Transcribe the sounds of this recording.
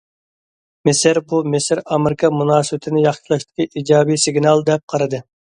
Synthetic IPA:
mɪsɪɾbumɪsɪɾɑmɪɾɪkʰɑmunɑːsɨbɪt̪ʰɪnɪjɑχʃilˠɑʃt̪ɪ̥kʲiʔiːd͡ʒɑːbijsɪɡnɑlˠd̪ɛp̚qʰɑɾɨd̪ɨ

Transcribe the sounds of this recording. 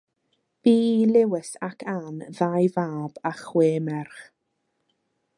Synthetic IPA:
b̥iːilˠɪwəsakʰanðajvaːb̥aχweːmɛrχ

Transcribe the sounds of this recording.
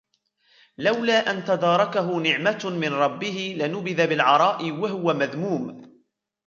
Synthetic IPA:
lawlaːʔant̪ad̪ɑːɾˤɑkaɦʊnɪʕmamɪnɾˤɑbːɪhɪlɪnʊbɪðabɪlʕɑɾˤɑːʔɪwaɦʊwamaðmuːm

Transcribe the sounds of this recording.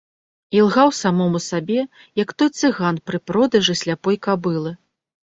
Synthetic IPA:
ilˠɣawsamɔmusabʲɛ | jɐkt̪ɔjt̪sɨɣanpɾɨpɾɔd̪ɐʐɨsʲlʲapɔjkabɨlˠɨ

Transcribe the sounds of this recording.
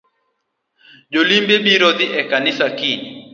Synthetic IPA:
d͡ʒolimbebiɾɔd̪ɪʔɛkanɪsakɪ

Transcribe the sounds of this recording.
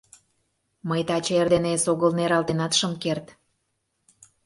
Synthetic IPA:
məjt̪ɑt͡ɕerd̪enesoɣəlneɾɑlt̪enɑt̪ʃɤ̆mkert̪

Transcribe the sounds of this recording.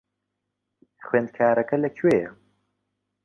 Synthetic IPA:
xweːnd̪̚kʰaːɾɐkɐlɐkʰweːjɛ

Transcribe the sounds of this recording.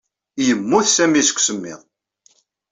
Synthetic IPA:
jəmːuθsæmisə̥kʷːsəmːɪ̰ðˤ

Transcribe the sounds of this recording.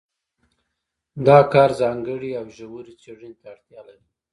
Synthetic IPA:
d̪ɑkɑɾzɑŋɡəɽiawʒawuɾit͡seɽint̪aːɽt̪jɑlaɾi

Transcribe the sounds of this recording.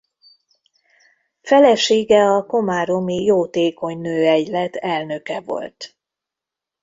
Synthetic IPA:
fɛlɛʃeːɡɛɒko̞maːɾo̞mijoːt̪eːko̞ɲnøːɛɟlɛt̪ʰɛlnø̞kɛvo̞̰lt̪

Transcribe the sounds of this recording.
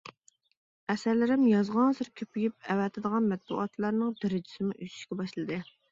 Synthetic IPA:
ɛsæɾlɪɾɪmjɑzʁɑnsɨɾkʲʰøpʰyjyp̚ɛwɛt̪ʰɨd̪əʁɑnmɛt̪̚bṵʔɑt̪lˠɑɾnɨŋd̪ɪɾɪd͡ʒi̥sɪmɪʔyt͡ʃ̪ʰy̥ʃkʲɛbɑʃlˠɨd̪ɨ

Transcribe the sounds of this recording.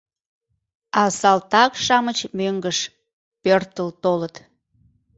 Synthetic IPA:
ɑsɑlt̪ɑkʃɑmət͡ɕmøŋɡəʃ | pørt̪əlt̪olət̪

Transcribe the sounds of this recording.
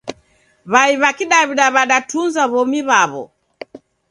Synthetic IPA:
βaiβakiɗaβiɗaβaɗatunzaβɔmiβaβɔ̰

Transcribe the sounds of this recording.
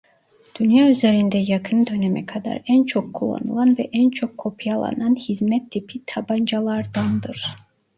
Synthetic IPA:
d̪̥ynjayzeɾind̪ɛjakʰɯnd̪ø̞nɛmɛkʰad̪a̰ɾænt͡ʃʰokʰːulˠːa̰nɯ̰lˠanvɛʔænt͡ʃʰo̞kʰːo̞pʰijalˠa̰nanhizmɛt̪ʰːipʰit̪ʰaband͡ʒalˠaɾd̪and̪ɯɾ̥

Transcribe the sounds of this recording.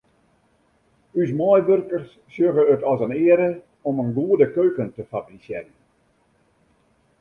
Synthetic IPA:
ys̬mɔjʋørkərs | sjøɣəːtɔsənɪəɾə | ɔmənɡuədəkøːkəntəfabrisjɛjən

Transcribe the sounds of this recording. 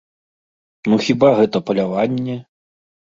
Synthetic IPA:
nuxʲibaɣɛt̪ɐpɐlʲavanʲːɛ

